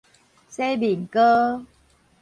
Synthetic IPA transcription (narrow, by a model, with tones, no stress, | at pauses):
se˦bi˨˩ŋkə˦